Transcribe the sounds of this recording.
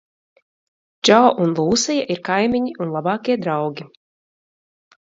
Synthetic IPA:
d͡ʒɔːʔunlˠuːsɛjaʔiɾkajmʲiɲiʔunlˠabɑːkʲiɛd̪ɾawɡʲi

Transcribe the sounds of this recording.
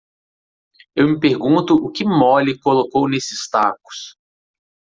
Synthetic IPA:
ewmɪpeɾɡũt̪ʊʔʊkɪmɔlikolokownesɪst̪ak̚ʊ̥s

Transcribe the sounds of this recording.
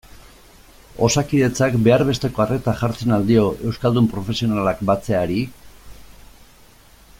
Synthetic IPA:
o̞sakiðe̞t͡sakbe̞aɾβe̞st̪e̞ko̞are̞t̪aʝaɾt͡se̞nald̪io̞ʔe̞wskald̪umpɾo̞fe̞sio̞naalakbat͡se̞aɾi

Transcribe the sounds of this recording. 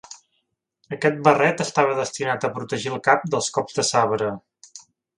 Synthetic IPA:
əkɛt̪̚bərɛt̪əst̪aβ̞əðəst̪inat̪əpɾut̪əʒilˠkap̚d̪əlˠskɔbzðəsaβəɾə

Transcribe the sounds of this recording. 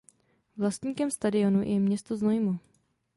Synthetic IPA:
vlast̪ɲiːkɛmst̪adɪonujʔɛmɲɛst̪oznojmu

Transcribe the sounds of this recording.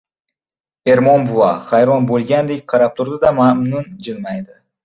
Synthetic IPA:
e̞ɾmɒnbʊaχajɾɒnbolˠɡʲand̪ek̚ʲqʰɑɾap̚t̪ʰʊɾd̪ɪd̪amamnʊnd͡ʒɪlˠmajd̪ɪ

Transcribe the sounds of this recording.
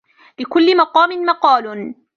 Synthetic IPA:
lɪkʊlːɪmɑqɑːmɪnmɑqɑːlʊn

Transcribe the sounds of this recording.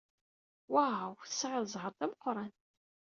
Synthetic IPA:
waawθə̥sʕəðzˤɦəɾˤt̪æməqːɾˤɑn

